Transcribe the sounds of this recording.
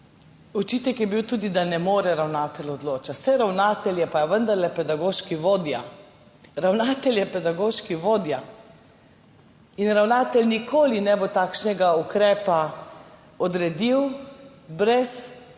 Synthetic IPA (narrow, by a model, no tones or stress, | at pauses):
ɔt͡ʃiːt̪ɛkjɛbiwt̪uːd̪id̪anɛmoːɾɛɾawnaːt̪ɛlɔd̪loːt͡ʃat̪sɛɾawnaːt̪ɛljɛpaʋənd̪aɾlɛpɛd̪aɡoːʃkiʋoːd̪ja | ɾawnaːt̪ɛljɛpɛd̪aɡoːʃkiʋoːd̪ja | inɾawnaːt̪ɛlnikʰoːlinɛbot̪aːkʃnɛɡaukɾɛːpa | ɔd̪ɾɛd̪iw | bɾɛs